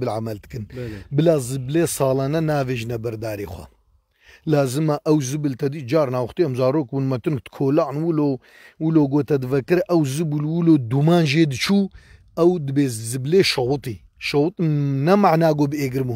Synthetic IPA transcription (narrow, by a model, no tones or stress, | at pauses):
bɨlʕamɐld̪ɨ̥kɨnbɨlaːzɨbleːsɑːlaːnɐnaːveːʒnɐbɐɾd̪aːɾḛːxʷɐ̰ | laːzɨmɐʔɐwzɨbɨlt̪ɐd̪iːd͡ʒaːɾnaːwxt̪iːɐmzaːɾoːkwunmɐt̪ɨnk̚t̪kʰoːlaʕnwulo | wuloːɡoːt̪ɐd̪ɨvɐkɨɾʔɐwzɨbulwuloːd̪umaːnʒeːd̪ɨt͡ʃʰuː | ɐwd̪ɨbeːzzɨbleːʃɐwɨt̪ˤiː | ʃɐwɨt̪nɐmaʕnaːɡoːbeːɡɨɾmu